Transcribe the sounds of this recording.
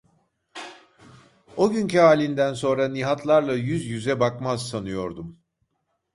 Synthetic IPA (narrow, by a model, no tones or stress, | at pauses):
o̞ɟyncʰyaːlʲind̪ænso̞nɾaniɦat̪ʰlˠaɾlˠajyzjyzɛbakmazsanɯjo̞ɾd̪um